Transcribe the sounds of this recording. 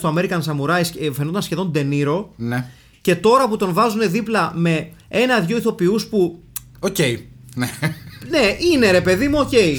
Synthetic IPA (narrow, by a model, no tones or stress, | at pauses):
st̪oɐme̞ɾikɐnsɐmuɾɐisfenot̪ɐnsçe̞ðo̞nd̪e̞niɾo̞ne | ce̞t̪o̞ɾɐput̪o̞nvɐzune̞ðiplɐme̞ | e̞nɐðʝo̞iθo̞piuspu | oce̞inene̞ine̞ɾe̞pe̞ðimuo̞ce̞i